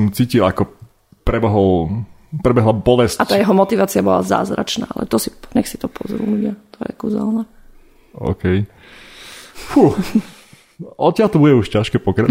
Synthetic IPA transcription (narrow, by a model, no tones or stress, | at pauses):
mt͡siːcilakɔ | pɾɛbɛɦɔl | pɾɛbɛɦlabɔlɛsat̪aːjɛɦɔmɔt̪iʋaːt͡siabɔla̰za̰ːzɾa̰t͡ʃna̰ːa̰lʔɛ̰t̪ɔsiɲɛxsi̥t̪ɔpɔzɾṵluɟɪat̪ʰɔjɛ̰kuza̰lna | ɔ̰ʊkɛj | fu | ɔt̪t͡ɕɪalt̪ɔbuɟɛuʃcaʃkɛpɔkɾa